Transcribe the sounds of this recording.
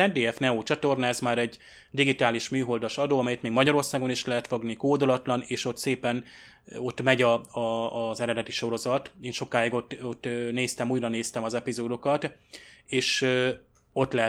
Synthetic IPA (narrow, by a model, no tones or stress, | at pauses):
ɛnd̪eːɛfnɛoːt͡ʃɒt̪o̞rnaɛzmaːɾɛɟ | d̪iɡit̪aːliʃmyːɦo̞ld̪ɒʃɒd̪oːɒmɛjɛt̪meːɡmɒɟɒɾo̞rsaːɡo̞niʃlɛɦɛt̪fo̞ɡnikoːd̪olɒt̪lɒneːʃo̞t̪seːpɛn | o̞t̪ːmɛɟɒɒzɛɾɛd̪ɛt̪iʃo̞ɾo̞zɒt̪eːnʃo̞kːaːjiɡo̞t̪ot̪ːneːst̪ɛmuːjrɒneːst̪ɛmɒzɛpizoːd̪o̞kɒt̪eːʃ | o̞t̪lɛɦɛ